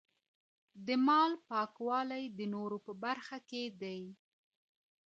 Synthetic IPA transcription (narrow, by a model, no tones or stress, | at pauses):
d̪əmɑlpɑkwɑlajd̪ənoɾopəbaɾxaked̪aj